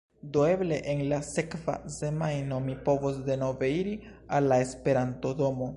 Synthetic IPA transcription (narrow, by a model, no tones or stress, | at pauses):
doeble̞ʔenlasekva̰se̞majno̞mipo̞vos̬de̞no̞ve̞iɾi | alːae̞spe̞ɾanto̞do̞mo̞